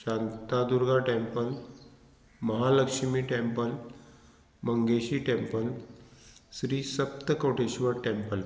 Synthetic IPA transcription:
ɕãnt̪ad̪uɾɡaʈẽmpəl | məɦaləkʂmiːʈẽmpəl | məŋɡeɕiːʈempəl | sɾiːsəp̚t̪əkoʈeɕʋəɾʈempəl

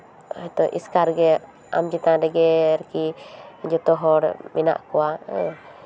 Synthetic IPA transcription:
ɛt̪ɔʔḭskaɾɡɛ | a̰md͡ʒit̪ãdɛɡɛɾkid͡ʒɔt̪ɔɦɔɾmina̰ʔkuwa

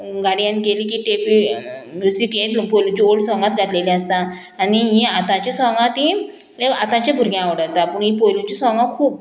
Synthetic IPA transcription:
ɡaɽijankeliːk̬iʈepi | mjusikjẽt̪lupojlũt͡ɕiolsʋãŋɡat̪̚ɡʱaʈ̪lelĩəst̪ãː | niɦĩat̪ãt͡ɕasʋãŋɡãt̪ɦĩ | eat̪ãt͡ɕabʱuɾɡjãaʋɽət̪apuɳɦipojlũt͡ɕisʋãŋɡãkʰuːp

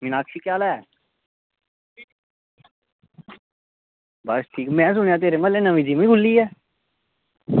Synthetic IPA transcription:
mɪnaːkʰʃiːkjaːlɛː | bəsʈʰiːkmɛ̃ːs̬ʊñjãːt̪̬eːɾeməlẽːnəʋĩːd͡ʒiːmẽĩɡʱʊlːiːɛː

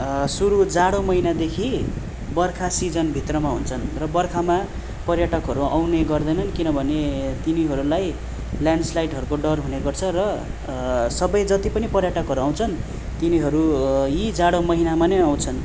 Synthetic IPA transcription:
suɾud͡zaɽomʌɦinad̪ekʰi | bʌrkʰasid͡zʌnbʱit̪rʌmaɦunt͡sʰʌnrʌbʌrkʰama | pʌrjaʈʌkɦʌɾuawneɡʌrd̪ʌjnʌnkinʌbʱʌnet̪iniɦʌɾulaj | ljaɳɖslajʈɦʌɾukoɖʌrɦuneɡʌrt͡sʰʌrʌ | sʌbʌjd͡zʌt̪ipʌnipʌrjaʈʌkɦʌɾuaw̃t͡sʰʌn | t̪iniɦʌɾujid͡zaɽomʌɦinamaneaw̃t͡sʰʌn

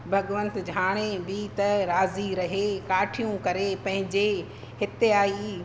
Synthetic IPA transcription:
bʱɐɡʋə̃nt̪d͡ʑʱaːɽ̃ebit̪ɐɾaːziɾɐɦekaːʈʰijũkɐɾepɐ̃ɦɪ̃ɲd͡ʑe | hɪt̪eaːi

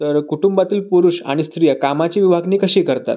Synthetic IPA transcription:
t̪əɾkuʈumbat̪iːlpuɾuːɕa̰ɽ̃ist̪ɾijəkamat͡ɕiːʋibʱaɡniːkəɕiːkəɾt̪a̰t̪

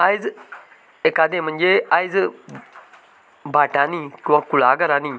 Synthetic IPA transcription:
ajd͡z | ekad̪ẽm̤əɳd͡zeajd͡z | bʱaʈanikĩw̃ãkuɭaːɡəɾani

